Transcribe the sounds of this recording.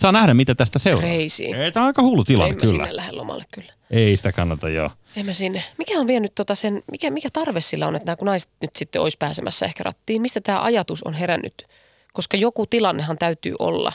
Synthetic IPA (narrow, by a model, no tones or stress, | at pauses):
sɑːnæhɾæmit̪æt̪æst̪æseureisḭːeit̪æːɑikɑhuːlːut̪ilɑ̰eːemːkæysliːæ̰nelæhḛlo̰mɑ̰lːekkylːæ̥eisi̥t̪ækɑnːɑt̪ɑ̰jjo̰ː | emːæsinːemikæoʋʋielnyt̪t̪ot̪ɑsenmikæmikæt̪ɑrʋesːilːæo̰net̪næːkunɑise̥t̪nyt̪sit̪ːeo̰ispæːsemʔæ̰sːæehkærɑ̰t̪ːiːnmist̪æt̪æːʔɑjɑt̪uso̰nɦerænːy̰t̪ | koskɑjokut̪ilɑnːehɑnt̪æyt̪y̰ːʔo̰lːɑ̰